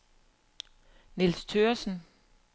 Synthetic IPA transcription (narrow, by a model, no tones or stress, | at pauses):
nilst͡sʰøːɐsn̩